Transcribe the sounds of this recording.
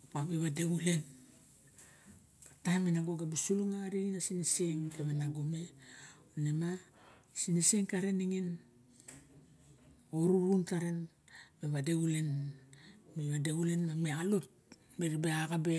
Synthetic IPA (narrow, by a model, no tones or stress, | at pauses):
paβeβade̞ule̞n | bataminaɡo̞ɡabisuluŋaɾiinasiniseŋkemenaɡome̞onema | siniseŋkaɾeniŋin | oɾuɾuntaɾen | meβade̞ule̞n | meβadeule̞nmamealot̚ | meɾibeaɡabe